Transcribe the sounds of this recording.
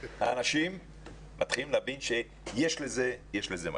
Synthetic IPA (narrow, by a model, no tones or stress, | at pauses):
ha̰ːnaʃimː | at̪χilimleavinʃe | jeʃleze̞jeʃlezema̰